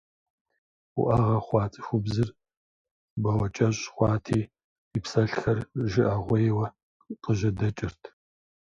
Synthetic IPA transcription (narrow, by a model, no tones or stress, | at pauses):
ʊ̰ʔɐʁɐχʷɑːt͡sʼɨxʷʊbzɨr | bɐwɐt͡ʃʼɐɕʼχʷɑːtʰiː | ipsɐɬxɐrʒɪʔɐʁʷɔjɛwɐ | qəʒɐdɐt͡ʃʼɪrtʰ